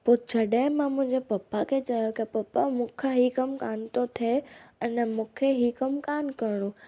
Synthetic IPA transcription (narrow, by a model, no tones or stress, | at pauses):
pʊt͡ɕʰɐɗaːɪ̃mãmʊ̃ɦɪ̃ɲd͡ʑepɐpːakʰet͡ɕajokɐpɐpamũːkʰaɦikɐmkaːnt̪ot̪ʰeɐnəmũːkʰeɦikɐmkaːnkɐɽ̃o